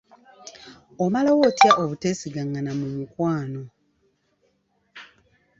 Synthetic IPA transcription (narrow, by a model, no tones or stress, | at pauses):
omalawoːtjaʔoβute̞siɡaŋɡanamumukwaːno̞